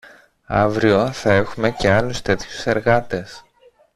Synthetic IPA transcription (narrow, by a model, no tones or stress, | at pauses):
ɐ̰vɾio̞θɐe̞xume̞ce̞ɐlust̪e̞t̪çu̥se̞ɾɣɐt̪e̞s